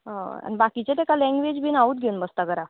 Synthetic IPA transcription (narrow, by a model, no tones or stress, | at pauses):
ɦãa̰nibakit͡ɕet̪ekalɛ̃ŋɡʋed͡ʑbinauːd̪̚ɡʱeunbəst̪aɡəɾa